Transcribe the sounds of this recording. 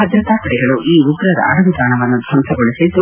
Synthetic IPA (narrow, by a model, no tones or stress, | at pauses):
ɐd̪ɾɐt̪aːkɐɽɛɡɐɭuʔʔiːuɡɾɐɾɐ̰ɐ̰ɽɐʋid̪aːɳɐʋɐnːud̪ʱɐnt̪ʰɐɡoɭisɐt̪u